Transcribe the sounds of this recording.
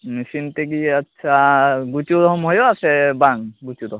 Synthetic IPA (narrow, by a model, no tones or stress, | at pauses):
misint̪ɛɡiatːsʰaɡutjud̪ɔɦɔmɦɔjɔasɛbaŋɡutud̪ɔɦ